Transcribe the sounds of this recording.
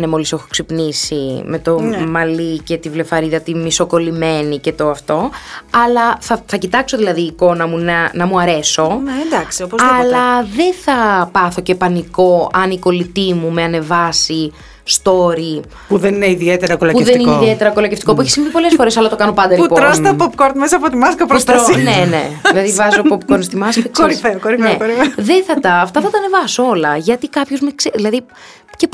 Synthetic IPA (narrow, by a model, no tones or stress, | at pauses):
nemo̞lisexo̥ksipnisime̞t̪o̞mɐlice̞t̪ivle̞fɐɾiðɐt̪imiso̞ko̞lime̞nice̞t̪o̞ɐft̪o̞ɐlɐθɐθɐcit̪ɐkso̞ðilɐðiːko̞nɐmunɐnɐmuɐɾe̞so̞nd̪ɐksiopozɐlɐðe̞θɐpɐθo̞ce̞pɐniko̞ɐniko̞lit̪imume̞ɐne̞vɐsi | st̪o̞ɾi | puðenineiðiet̪eɾɐkolɐpuðenineiðie̞t̪e̞ɾɐko̞lɐceft̪i̥ko̞pueçi̥simvipo̞le̞sfo̞ɾesɐlɐt̪o̞kɐno̞pɐnd̪ɐɾiupoɾosɐpopkoɾd̪mesɐɐpot̪imɐskɐpɾost̪ɾnene̞̰ðilɐðivɐzopopkoɾst̪imɐskkɐkoɾifeokoɾifnekoɾifeðeθɐt̪ɐːft̪ɐθɐt̪ɐːne̞vɐsoo̞lɐʝɐt̪ikɐpçozmekseðilɐði | ce